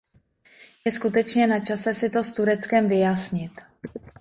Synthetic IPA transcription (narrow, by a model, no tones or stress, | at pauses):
jɛskut̪ɛt͡ʃɲɛnat͡ʃasɛsɪt̪o̞st̪uɾɛt͡skɛmvɪjasɲɪt̪